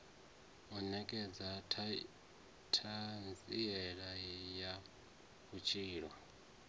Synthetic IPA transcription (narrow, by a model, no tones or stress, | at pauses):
ɔnɛkʼɛd͡zatʰ | tʰand͡zʼijɛɺaja | βut͡ʃʰiːɺwa